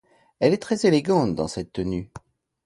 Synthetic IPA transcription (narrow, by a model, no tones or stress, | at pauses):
ɛlɛt̪χɛzeleɡɑ̃t̪d̪ɑ̃sɛt̪ːəny